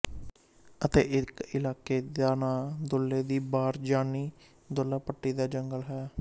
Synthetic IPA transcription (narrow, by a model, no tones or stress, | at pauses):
ət̪ḛːʔɪkɪlaːkeːd̪aːnaːd̪ʊlːeːd̪iːbaːɾd͡ʒaːniː | d̪ʊlːaːpəʈːiːd̪aːd͡ʒəŋɡəlɦɛː